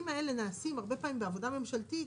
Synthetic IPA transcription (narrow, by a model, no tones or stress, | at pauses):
imaelenaːsimaʁbe̞paːmimbeavo̞d̪ame̞mʃalt̪it